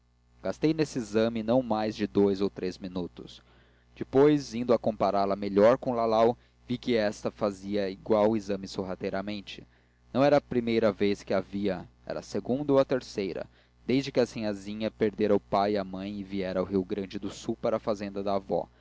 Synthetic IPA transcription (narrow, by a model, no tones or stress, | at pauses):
ɡ̥ast̪ejnesɪizɐ̃mɪnɐ̃w̃majzd͡ʒɪd̪ojzowt̪ɾezminut̪ʊs | d͡ʒɪpojzĩnd̪ʊɐkõmpaɾalɐmeʎɔɾkõw̃lalaw | vikɪɛst̪ɐfaziɐiɡwawizɐ̃mɪsoɦat̪ejɾɐmẽnt͡ʃɪ̥ | nɐ̃w̃ɛɾɐaːpɾimejɾɐveskɪaviɐɛ̰ɾɐ̰seɡũnd̪ɐoɐt̪eɾsejɾɐ̰ | d̪ejzd͡ʒɪkɪasĩɲazĩɲɐpeɾd̪eɾɐʊpajɪɐmɐ̃j̃ɪviɛɾɐʊɦiwɡɾɐ̃nd͡ʒɪd̪ʊsupaɾɐːfazẽnd̪ɐd̪aːvɔ̰